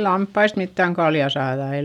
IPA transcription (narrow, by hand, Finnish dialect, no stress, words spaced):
lɑmpːɑist mitːæŋ kɑljɑ sɑːðɑ ei